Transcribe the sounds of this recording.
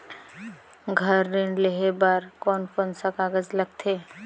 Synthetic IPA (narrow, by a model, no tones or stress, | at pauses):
ɡʱəɾːẽːɳleɦebaːɾkɔːnpənsakaːɡəd͡ʒləɡ̚t̪ʰeː